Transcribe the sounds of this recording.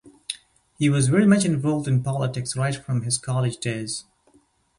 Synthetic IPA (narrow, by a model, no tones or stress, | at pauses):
hiwʌzvɛɹimʌt͡ʃɨ̃ɱvɔlˠvdɨ̃npʰɑlˠətɪksɹaɪtfɹʌ̃mɪz̥kʰɑlˠɨd͡ʒdeɪz̥